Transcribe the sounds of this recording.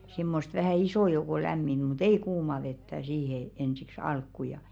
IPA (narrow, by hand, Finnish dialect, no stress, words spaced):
si̞mːost ʋæhæˑ isoˑ jouko læmːinẙ mut ei kuːmɑ ʋetːæ siːhe ensiks ɑlkːu jɑ